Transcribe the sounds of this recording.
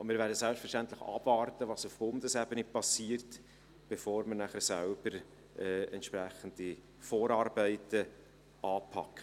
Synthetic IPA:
mɪːɾvæːɾdəsɛlpstfɛɾʃtænt̪ləχɑ̰b̥vɑːrtəvɑːsʊfb̥ʊndəsɛbənɪpɑsiːrt | b̥efoːɾməɾnæχəɾsælb̥əɾ | ɛːɛ̰ntʃpɾæχən̩di | foːɾɑːrbɛɪtə | ʔɑːpʰɑ̰kːə

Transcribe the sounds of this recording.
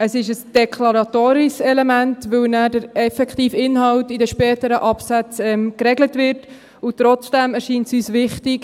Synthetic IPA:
əsɪʃəsd̥ɛkʰlɑɾɑtoːɾisɛlemæntʋɵwnæːdəɾɛfɛkχtiːfɪnɦɑwtidəʃpɛːtəɾəʔɑpsæt͡sɛmkɾɛɡlətʋɪɾt | ʊt̪ɾɔt͡sd̥æmɛɾʃiːntsyːsʋɪχtɪk

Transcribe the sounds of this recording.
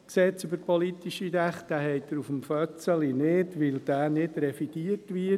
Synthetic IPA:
kseːsøbəpʰɔlit̪iʃiɾæχtæhɛɪd̥̪əɾufəmfœt͡səlinɪdʋɪld̥æːnɪdɾɛfiɡ̥iːətʋɪː

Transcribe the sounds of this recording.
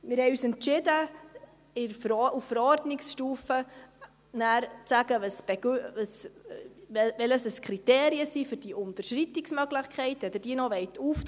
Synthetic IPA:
mɪɾhɛɪjyːsɛntt͡ʃɪdə | ɪɾɾufəɾɔɾdnɪksʃtuːfə | næːɾt͡sæɡəvəsb̥ɛɡəs | vɛləsəskʰɾiteːɾiəsiːfʏɾd̥iːʔʊntəɾʃritɪksmœɡlɪχkʰχɛɪtɛd̪əd̥iːənɔvɛɪtuf

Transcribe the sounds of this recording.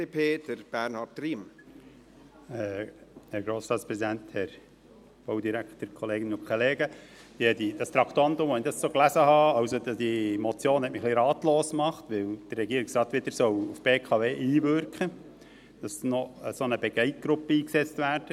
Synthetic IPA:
epʰeːd̥əɾb̥ɛɾnhɑtɾiːm | ɛhɛɾɡɾoːstɑːtt͡spɾɛzid̪ænt̪hɛɾ | b̥owd̪iɾækt̪əɾkʰɔleːɡɪnʊkʰoleːɡə | d̥̪iɛdid̥ɑst̪ɾɑkt̪oɑntʊmɑnidɑssoːklæsəhɑːɑwsodd̥imɔt͡sjoːnhɛtmɪχliɾɑːt̪loːsmɑχt̪ʋɪwd̥ərːɛɡiəɾɪksɾɑːt̪ʋɪd̪əɾsœwufb̥eːkʰɑʋeːʔiːʋʏɾkʰə | d̥ɑsnɔəsonəbɛɡɛɪt̚ɡ̥ɾʊpːəiːksɛt͡stʋæːɾd̥ə

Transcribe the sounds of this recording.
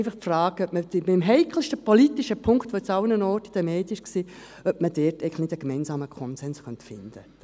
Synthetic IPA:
ɪfəχtfraːɡ̥œpmədɪbɪmɦɛɪkʰl̩ʃtəpʰɔlitiʃəpʰʊŋktʋot͡sawnənɔɾtid̥̪ɛmɛːtɪʃksiː | œp̚mədɪtɛɪɡŋləχnɪdəɡ̥mɛɪnsaːməkʰɔnsɛnsχœntfɪnd̥ə

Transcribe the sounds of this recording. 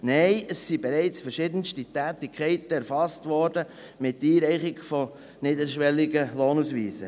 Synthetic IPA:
nɛɪəsːibɛɾɛɪt͡sfɛɾʃɪdənstitæːtɪkʰχɛɪtəɛɾfɑstʋɔːɾdə | mɪtːiːɾɛɪχɪɡfɔ | nɪdəɾʃʋɛlːɪɡəloːnusʋiːsə

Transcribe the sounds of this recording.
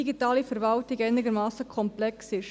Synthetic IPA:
iɡitaːlifəɾvɑltɪɡɛɪnɪɡəɾmɑːsəkʰɔmplɛksɪʃ

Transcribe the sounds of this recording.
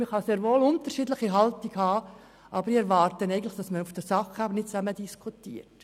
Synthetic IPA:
mɪχhɑseːɾʋoːlʊnt̪ərʃiːdləχiɦɑltiɡhɑː | ʔɑbəɾɪɛɾʋɑːrtənɛɪɡən̩tləχd̥ɑsməufd̥əsɑχæbənɪtt͡sæmədiskʰutiːəɾt

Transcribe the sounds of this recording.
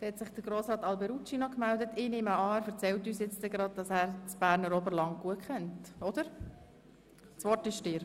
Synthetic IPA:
d̥ɛhɛtsɪχd̥əɾɡ̥ɾoːsɾɑːtɑlbɛɾut͡ʃinɔkmældətɪːneːməɑːæɾfəɾt͡sɛltyːsjɪt͡stdɛɡɾɑd̪̚dɑsæːɾt͡sb̥æːɾnəɾobəɾlɑŋɡ̥uəkʰχɛntɔd̥̪əɾ | sʋɔrtɪʃtɪɾ

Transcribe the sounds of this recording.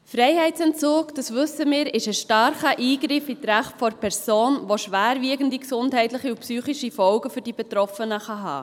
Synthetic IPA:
fɾɛɪhɛɪtt͡sɛnt͡soːkd̥ɑsʋʏsəmɪːɾɪʃəʃtɑɾχəʔiːɡɾɪfitɾæχtfɔɾpʰɛɾsoːnʋoʃʋæːɾviəɡən̩diksʊndɦɛɪtləχiupsyːχiʃifɔlɡəfyɾd̥ib̥ɛt̪ɾɔfənəχɑɦɑ̰ː

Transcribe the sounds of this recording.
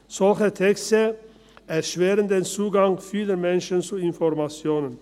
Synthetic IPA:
sɔlçət̪ʰɛkst̪ə | ɛɾʃʋeːɾənd̪eːnt͡suːɡaŋfiːlənmɛnʃən̩t͡suːɪnfɔɾmɑt͡sjoːnən

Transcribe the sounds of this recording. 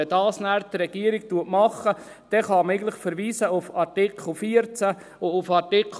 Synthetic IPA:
ɛdɑːsnæːɾt̪ɾɛɡ̥iəɾiktuətmɑχːə | d̪̥ɛχɑmeɪɡən̩tləχfəɾʋiːsəʊfɑɾtɪkʰl̩ˠfiːəɾt͡sæ | ʊʊfɑɾtɪk

